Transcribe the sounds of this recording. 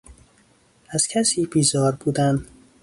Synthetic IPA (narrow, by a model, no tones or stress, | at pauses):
æz̥cʰæsiːbiːzɒːɾbuːd̪ænd̪